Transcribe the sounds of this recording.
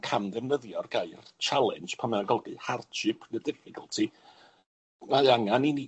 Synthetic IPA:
kʰamdɛvnəðjɔrɡajrt͡ʃʰalˠɛ̰nd͡ʒ̥pʰamɛaɡɔlˠɡɨhart͡ʃʰɪpʰnədɪfɪkʰəlˠtʰi | maaŋanini

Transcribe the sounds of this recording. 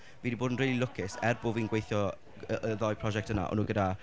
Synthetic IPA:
viːdiboːdənriːlˠilʊkʰɪsɛrboviːnɡwejθjɔ | əəðɔjpʰrɔʒɛk̚tʰəna̰ʔɔ̰nuːɡəda

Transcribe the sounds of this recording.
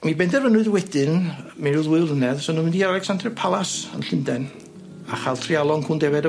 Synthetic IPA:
mibɛndɛrvənʊɨðwɛdɨnmɛɾuðwɪlˠənɛðsɔnɔmɪndialˠɛksandrɛpʰalˠasə̰nɬɪndɛn | aχalˠtʰrialˠɔŋkʰundɛvɛdə

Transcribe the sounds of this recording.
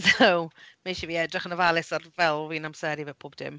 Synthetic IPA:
ðowmeʃiviːɛdrɪχənəvalˠɪsarvɛlˠviːnamsɛɾivɛːpʰoːbd̥ɪ̰m

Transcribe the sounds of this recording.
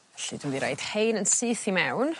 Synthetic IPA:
ɛɬid̥umviɾḛjd̥hejnənsɨːθimɛwn

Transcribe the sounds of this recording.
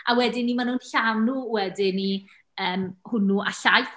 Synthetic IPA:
ʔawɛdɪnimanunɬanuwɛdɪni | əːmhʊnuʔaɬajθ

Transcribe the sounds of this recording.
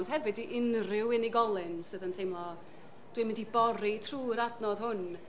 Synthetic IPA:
nd̥ɦɛvɨdiʔɪnrɪwɪniɡɔlˠɨnsɨðəntʰejmlˠɔ | d̥wimɪndibɔɾitʰruːɾadnɔðhʊn

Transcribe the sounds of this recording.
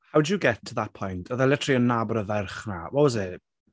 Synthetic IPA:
hawd͡ʒəɡɛtʰːəðat̚pʰɔjntʰəðəlˠɛtʰriənːabɔɾəðɛrχnawɛlˠzɛ

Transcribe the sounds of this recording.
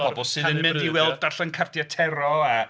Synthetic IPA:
b̥ɔbɔlˠsɨːðənmɪ̃ndiwɛlˠd̚darɬankʰartjatʰɛɾɔa

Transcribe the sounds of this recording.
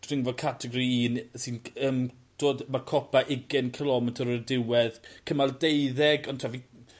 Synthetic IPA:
d̥rɪŋvɔdkʰatʰɛɡɔɾiiːnsinəːm | d̥oːdmarkʰɔpʰaʔɪɡɪnkʰəlˠɔmɛtʰəɾərdɪwɛðkʰəmalˠdejðɛɡɔntʰavi

